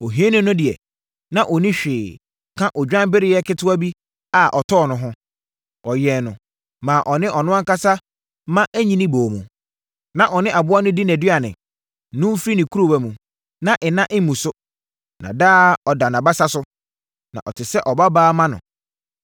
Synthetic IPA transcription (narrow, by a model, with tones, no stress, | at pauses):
ɔ˨ɦi˦nʊ̃˦nʊ̃˦dɪ˨ɛ˨ | nã˨ʔɔ˨nĩ˦ɕᶣɪː˨ | kʰã˦ʔɔ˨d͡ʑᶣã˦m˦bɪ˦ɾɪ˦jɛ˦kʰɪ˦tʰʊ˦a˦bi˦ | a˨ʔɔ˨tʰɔː˦˨nʊ̃˨ɦʊ̃˦ | ɔ˨jɛ˨nʊ̃˨ | mãː˨ʔɔ˨nɪ̃˦ʔɔ˨nʊ̃˦ã˦ŋka˦sa˦ | mã˦ʔæ˦ɲĩ˦nĩ˦boː˨mũ˨ | nã˨ʔɔ˨nɪ̃˦ʔa˨bʊ˦a˦nʊ̃˦di˦næ̃˨dɪ˦a˨nɪ̰̃˨˦ | nʊ̃˦fɾi˦nɪ̃˨kʰu˦ɾo˦bæ˦mũ˨ | nã˨ʔɪ˨nã˦ʔɪ˦m̩˦mũ˨sʊ˦ | nã̰˨daː˦ɔ˨da˨nã˨ba˦sa˦sʊ˦ | nã̰˨ʔɔ˨tʰɪ˨sɛ˦ʔɔ˨ba˦baː˦mã˦nʊ̰̃˨